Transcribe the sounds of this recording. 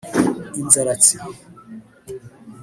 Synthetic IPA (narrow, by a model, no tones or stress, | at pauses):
inzaɾat͡si